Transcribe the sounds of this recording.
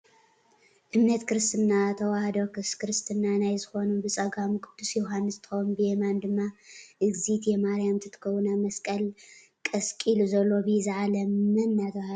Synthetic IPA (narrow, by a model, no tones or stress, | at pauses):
ʔɨmnɐt̪kʰɨɾɨst̪ʰɨnːat̪ʰɐwahɐd̪okɨskɨɾɨst̪ʰɨnːanajzɨxo̞nubɨsʼɐɡamɨkʼɨd̪̥ːusjoɦanːɨst̪ʰɨ̥xɐwunbɨjemand̪ɨmːaʔɨɡzit̪jɛmaɾijamt̪ʰɨt̪ʰɨ̥kʰɐwːunamɐskʼɐl | kʼɐskʼiluzɐlːo̞bɨizɨʕalɐmːɐnːat̪ʰɐwahd̪